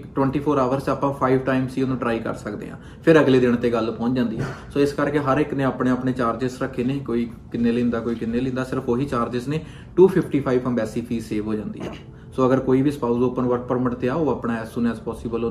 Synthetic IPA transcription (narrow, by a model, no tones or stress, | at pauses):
ʈwɛ̃ːɳʈiːpʰoːɾaːʋəɾt͡ʃaːpãːpʰaːiʋʈaːimsiːnõːɖɾaːikə̰ɾsəkd̪ḛːã̰ː | pʰɪɾəɡleːd̪ɪɳ̃t̪eːɡəlpɔ̃ːɲt͡ʃd͡ʒãːnd̪iːɛ̃ːsoːɪskəɾkeːɦəɾɪknẽːaːpɽẽːəpɳeːt͡ʃaːɾd͡ʒɪsɾəkʰːeːnẽkoːiː | kɪnːeːlẽːnd̪aːkoːiːkɪnːeːlɪ̃ːnd̪aːsɪɾəfʰoːɦiːt͡ʃaːɾd͡ʒɪsneː | ʈuːpʰɪpʰʈiːpʰaːiʋpə̃mbɛːsiːpʰiːseːʋɦoːd͡ʒãːnd̪iːɛ̰ː | soːəɡəɾkoːiːbiːspaːuzoːpːənʋəʈ̚pəɾməʈt̪eaːoːaːpɽaːɛːsuːnɛːzpɔːsɪːbəlo